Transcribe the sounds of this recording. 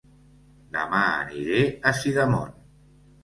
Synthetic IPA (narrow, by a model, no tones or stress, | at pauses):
d̪a̰maːniɾeasiðamɔ̰n